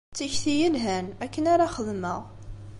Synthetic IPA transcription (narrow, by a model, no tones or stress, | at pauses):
t͡sːiçθijəlɦænækːənaɾaχəðməʁ